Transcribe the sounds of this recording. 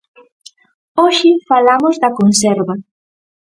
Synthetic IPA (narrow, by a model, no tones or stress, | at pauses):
oʃɪfalamʊzðɐkonsɛɾβɐ